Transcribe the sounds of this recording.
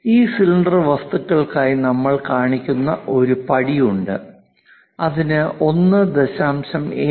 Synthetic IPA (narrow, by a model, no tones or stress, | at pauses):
iːsilɳɖɐrʋɐst̪ukːɐɭkaːjinɐmːɐɭkaːɳikʲːunːɐʔo̞ɾupɐɽijuɳɖɨ̰ | ɐðinɨʔo̞nːɨd̪eɕaːmɕɐmeː